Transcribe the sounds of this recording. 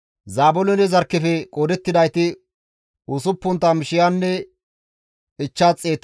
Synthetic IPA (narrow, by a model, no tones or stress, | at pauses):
zaːbʊlɔnɛzɐɾkːɛfɛkʼoːd̪ɛt̪ːɪd̪ɐjt̪ɪ | ʊsʊpːʊnt̪ːɐmɪʃɪjanːɛ | ɪt͡ʃːaːt͡sʼːeːt̪ː